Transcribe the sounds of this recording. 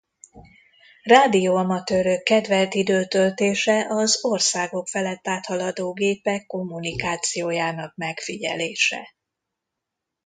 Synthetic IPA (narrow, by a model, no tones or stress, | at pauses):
raːd̪ijoːɒmɒt̪øːɾøkːɛd̪vɛlt̪id̪øːt̪ølt̪eːʃɛʔɒzo̞rsaːɡo̞kfɛlɛt̪ːaːt̪hɒlɒd̪oːɡeːpɛkːo̞mːunikaːt̪sijoːjaːnɒk̚mɛkfiɟɛ̰leːʃɛ̰